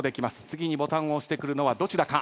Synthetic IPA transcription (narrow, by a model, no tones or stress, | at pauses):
d̪e̞kʲimasɨ̥t͡sɨɡʲiɲ̟ibo̞t̪ãɰ̃o̞ɕi̥t̪ekɯ̟ɾɯ̟no̞βad̪o̞t͡ɕid̪akã